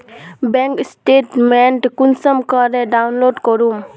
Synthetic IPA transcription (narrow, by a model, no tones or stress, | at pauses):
beŋksʈeʈmenʈkunsəmkɔɾeɖawnloɖkɔɾum